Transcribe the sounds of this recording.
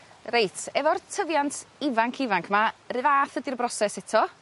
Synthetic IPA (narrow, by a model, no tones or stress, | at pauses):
rejtʰɛvɔrtʰəvjantʰɪvaŋkʰɪvaŋkʰmarɨvaːθədirbrɔsɛsɛtʰɔ